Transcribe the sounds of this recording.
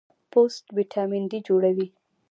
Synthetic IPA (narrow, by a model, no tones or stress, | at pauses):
posʈbiʈʰɑmind̪id͡ʒoɽawi